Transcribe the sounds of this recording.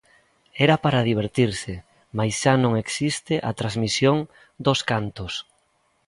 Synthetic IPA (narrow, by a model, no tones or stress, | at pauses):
ɛɾapaɾaðiβ̞eɾt̪iɾsɪ | majsʃanõŋeksist̪ɪʔat̪ɾazmisjoŋ | d̪oskant̪os